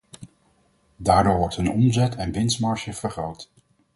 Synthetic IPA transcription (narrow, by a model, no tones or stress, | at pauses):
daːɹdʊːɹʋɔɹtɦɵnɔmzɛtʰɛnʋɪnsmɑɹʃəv̥əɹχowt